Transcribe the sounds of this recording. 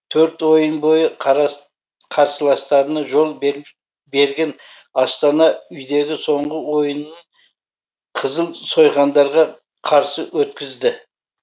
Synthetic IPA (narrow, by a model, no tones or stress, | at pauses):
t̪ʰɵɾt̪wo̞jənbo̞jə | qʰɑɾsəlˠɑst̪ɑɾənɑʒo̞lˠb | be̞ɾɡʲe̞n | ɑst̪ɑnɑʏjd̪e̞ɡʲɪso̞ɴʁəwo̞jənːəɴ | qʰəzəlˠso̞jʁɑnd̪ɑɾʁɑ | qʰɑɾsəwɵt̪̚kʲɪzd̪ɪ